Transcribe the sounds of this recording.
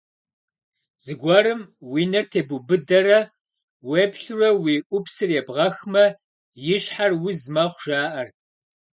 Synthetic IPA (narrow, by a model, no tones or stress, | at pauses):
zɨɡʷɐɾɨmwiːnɐrtʰeːbubɨdɐɾɐ | wɛbɬɨrɐwiːʔʷʊpsɨrjɛbʁɐxmɐ | jɪɕħarwʊzmɐχʷʒ̥aːʔɐr